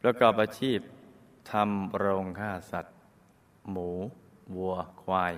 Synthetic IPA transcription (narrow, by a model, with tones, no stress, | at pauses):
pɾa˧kɔː˨˩p̚ʔaː˧t͡ɕʰiː˥˩p̚ | t̪ʰa˧mɾo˧ŋkʰaː˥˩sa˨˩t̪̚ | muː˩˦ | wu˧ɐkʰwaː˧j